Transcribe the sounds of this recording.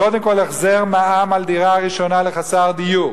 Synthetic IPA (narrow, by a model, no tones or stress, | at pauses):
ko̞d̪emko̞leχzeʁmaamald̪iʁaaʁiʃo̞naleχasaʁd̪iju